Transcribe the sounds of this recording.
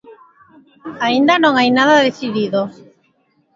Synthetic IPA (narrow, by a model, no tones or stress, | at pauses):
aind̪anõŋajnaðaðeθiðiðo